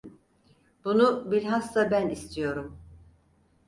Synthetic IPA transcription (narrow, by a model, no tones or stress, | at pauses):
b̥unubiɾɦast̪abænist̪ʰijo̞ɾum